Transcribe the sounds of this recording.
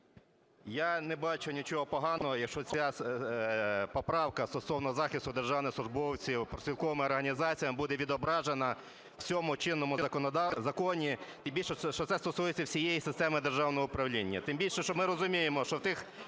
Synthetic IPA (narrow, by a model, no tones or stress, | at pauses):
janɛbɑt͡ʃʊnʲit͡ʃɔɦɔpɔɦɑnɔɦɔjɐkʃt͡ʃɔt͡sʲa | pɔpɾɑwkɐst̪ɔsɔwnɔzɑxʲɪst̪ʊd̪erʒɑwnɪsˠʊʒbɔwt͡sʲiwpɾɔsʲʋʲilˠkɔʋɐmɪɔrɦɐnʲizɑt͡sʲijɐmbud̪ɛʋʲid̪ɔbɾɑʒenɐ | w̥t͡sʲɔmʊt͡ʃɪnːɔmʊɐkɔnd̪zɐkɔnʲit̪ɪmbʲilʃɛɔt̪sɛst̪ɔsujet͡sʲːɐwsʲijejisɪst̪ɛmɪd̪erʒɑwnɔɦɔʊpɾɐwlʲinʲːɐt̪ɪmbʲilʲʃɛʃt͡ʃɔmɪɾɔzʊmʲijemɔʃt͡ʃɔwt̪ɪx